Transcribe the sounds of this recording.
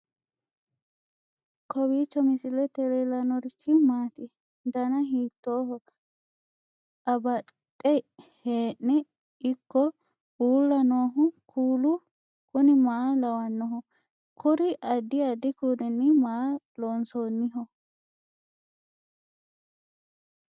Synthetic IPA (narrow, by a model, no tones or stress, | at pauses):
kʰɔbiːt͡ʃːɔmɪsɪlɛt̪ɛɾelɐnɔɾɪt͡ʃːɪmaːt̪ɪ | d̪ɐnɐɦiːt̪ːoːɦɔ | ɐbɐt̪ʼːɛheːʔnɛ | ɪkːɔ | uːlːɐnoːɦʊkʰuːlʊ | kʊnɪmɐlɐwɐnːɔɦɔ | kʰʊɾɪʔɐd̪ːɪɐd̪ːɪkudɪnːɪmaloːnsoːnːɪɦɔ